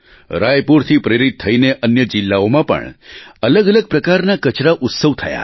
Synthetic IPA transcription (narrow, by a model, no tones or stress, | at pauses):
ɾajpuɾt̪ʰipɾeɾit̪̚ʰːəineʔənjəd͡ʒɪlːaomãpə̰ɳələɡələɡ̚pɾəkaɾnakət͡ʃɾaʔʊt̪səʋt̪ʰəja̰